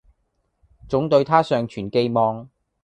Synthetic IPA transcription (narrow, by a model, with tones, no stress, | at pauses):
t͡sʊ˨˥ŋt̪ɵ˧ɥt̪ʰaː˥sœː˨˧ŋt͡ʃʰyː˨˩nke˧jmɔː˨˧ŋ